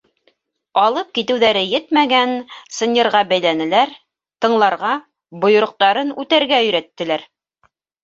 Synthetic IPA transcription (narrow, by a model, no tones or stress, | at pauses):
ɑlˠɤp̚kit̪ɘ̆wðæɾɘjɘt̪mæɡænsɤ̆nʲɤ̆ɾʁɑbæjlænɘ̆læɾ | t̪ɤ̆ɴlˠɑɾʁɑ | bŏjŏɾŏq̚t̪ɑɾɤnʉt̪æɾɡæɵ̆jɾæt̪ːɘ̆læɾ